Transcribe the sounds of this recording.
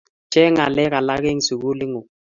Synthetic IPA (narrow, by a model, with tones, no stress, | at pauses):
t͡ʃɛ˦ŋa˨lɛ˦ka˨la˦ɣe˦ŋ˨su˨ɡu˦lɪ˦ŋʊ˨